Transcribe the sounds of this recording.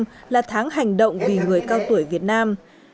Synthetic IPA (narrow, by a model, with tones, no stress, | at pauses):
mlaː˨˩t̪ʰaː˨˦ŋɦa˨˩jŋ̟ɗə̰˧˨wŋ͡mvi˨˩ŋɨ˨˩əjkaː˧wt̪u˧˩əjvi˨˩ət̚naː˧m